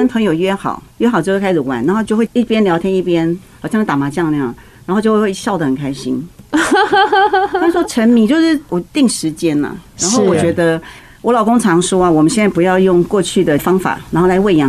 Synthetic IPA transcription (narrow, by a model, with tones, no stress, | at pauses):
ə˥npʰɤ˧˥ŋjo˨˩ʊɥɛ˥xɑ̰˨˩˦ʊɥɛ˥xɑ˨˩t͡ɕo˥˧we˥˩kʰɪʂɻ̩˨˩wa̰˨˩˦na˧˥xo˥˧t͡ɕo˥˧ʊxwe˥˧˩i˥˩pjɛ˥nljɑ˧ʊt̪ʰjɛ˥i˥˩pjɛ˥nxɑ˨˩ɕjn˥˩a˨˩ma˧˥t͡ɕjɑ˥˧ŋljɑ˥˩ŋ | n˧a˧˥nxt͡ɕo˥˧wwɕjɑ˥˩ʊd̪ə˩xə˨˩kʰa˥ɪɕḭ˥n˥ | ɔ˥ʈ͡ʂʰə˧˥nmi˧˥t͡ɕjo˥˧ʊʂɻ̩˥˩wɔ˨˩t̪i˥˩ŋʂɻ̩˧˦t͡ɕjɛ˦˥nɐ̰˨a˧˥nxo˥˩ʊwɔ˨˩t͡ɕɥɛ˧˥d̪ə˧ | wɔ˧˥lɑ˨˩ʊkʊ˥ŋʈ͡ʂʰɑ˧˥ŋʂwɔ˥a˨wɔ˨˩mə˦ɕjɛ˥˧na˥˩pu˧˥jɑ˥˧ʊjʊ˥˧ŋkwɔ˥˧t͡ɕʰy˥˩d̪ə˩fɑ˥ŋfa̰˨˩˦na˧nxo˥˩la˧ɪwe˥˧ɪjɑ˥˩